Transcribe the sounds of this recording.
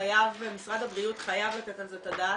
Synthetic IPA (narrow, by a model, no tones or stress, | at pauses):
ajavbemisʁad̪habʁiutχajavlat̪et̪alzetada